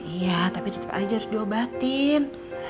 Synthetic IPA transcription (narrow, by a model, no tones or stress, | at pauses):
ijat̪apit̪ət̪əpa̰d͡ʒarduabat̪ɪn